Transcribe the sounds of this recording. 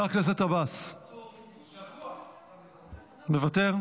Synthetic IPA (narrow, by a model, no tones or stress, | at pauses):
aʁklazet̪abas | mevat̪eʁ